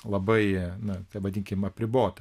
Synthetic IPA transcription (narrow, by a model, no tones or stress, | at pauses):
lˠɐbɐɪnʊt̪ɐʋɐdʲɪŋʲkʲɪmɐpʲɾʲɪboːt̪ɐ